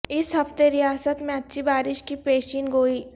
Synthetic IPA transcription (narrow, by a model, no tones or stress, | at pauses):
ɪsɦɐft̪eɾɪjaːsət̪mẽɐtːʃʰibaːɾɪʃkipɾeːt͡ʃiːnɡoːiː